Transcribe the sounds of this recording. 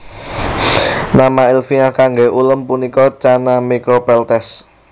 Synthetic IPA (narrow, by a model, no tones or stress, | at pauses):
namailfiakaŋɡeulʊmpunikɔt͡ʃanamikɔpɛlt̪ɛs